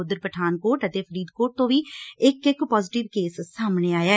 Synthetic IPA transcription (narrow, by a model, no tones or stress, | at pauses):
ʊd̪əɾpəʈʰaːnkoːɾʈət̪eːpʰəɾiːd̪koːʈ̚t̪õːʋiːɪkɪkpɔːzɪʈɪʋkeːsːaːmɳeːaːjaː